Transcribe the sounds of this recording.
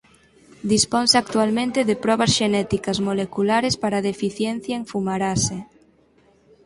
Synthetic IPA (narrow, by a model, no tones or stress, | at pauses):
d̪ispɔnsak̚t̪ualmẽnt̪eðepɾɔβ̞asʃenɛt̪ikɐzmolekulaɾespaɾaðefiθjɛn̟θjaeŋfumaɾase